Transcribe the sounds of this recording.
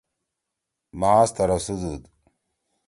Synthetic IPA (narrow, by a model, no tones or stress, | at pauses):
maːst̪ɐɾɐsud̪ud̪